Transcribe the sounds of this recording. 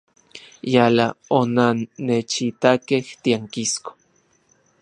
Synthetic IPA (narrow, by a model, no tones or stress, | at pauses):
jalaonanːet͡ʃit̪akeht̪iaŋkisko̥